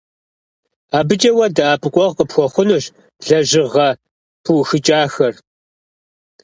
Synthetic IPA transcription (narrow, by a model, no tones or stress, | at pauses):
aːbɨt͡ʃʼɐwɐdɐaːpʼɨkʷʼɔʁqʼəpxʷɔχʷʊnuɕ | ɮɐʑɪʁɐ | pʰuxɨt͡ʃʼaːxɐr